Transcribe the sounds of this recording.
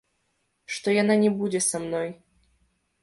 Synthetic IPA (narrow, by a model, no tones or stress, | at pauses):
ʂt̪ɔjananʲɛbud͡zʲɛsamnɔj